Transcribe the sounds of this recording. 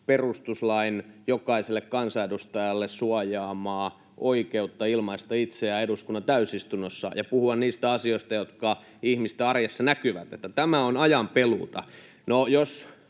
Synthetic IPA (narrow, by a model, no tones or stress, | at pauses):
perust̪uslɑinjokɑiselːekkɑnsɑedust̪ɑjɑlːessuɑjɑːmɑː | ʔoikeut̪ːɑilmɑist̪ɑit̪seɑeduskunːɑnt̪æysist̪unːosːɑ̰jɑpuhuɑnniːst̪æɑsioist̪ɑjot̪kɑ | ihmist̪eɑrjesːɑnækyʋæt̪et̪ːæt̪æmæonɑjɑmpelṵt̪ɑ | nojos